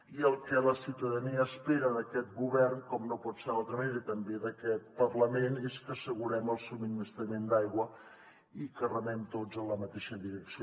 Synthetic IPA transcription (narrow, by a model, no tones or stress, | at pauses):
iəlˠkələsiuwt̪əðəniəːspeɾəðəkɛt̪̚ɡuβɛrnkɔmnopɔt̪seɾðalˠt̪ɾəməneɾɐət̪əmbeðəkɛt̪̚pərləmeneskəsəɣuɾɛməlˠsuminiist̪ɾəmend̪ajɣwə | ikərəmɛmt̪od͡zənləmət̪eʃəðiɾəksi